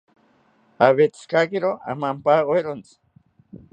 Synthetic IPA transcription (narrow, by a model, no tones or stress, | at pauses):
aβet͡si̥skakiɾoa̰mampaɣoeɾont͡s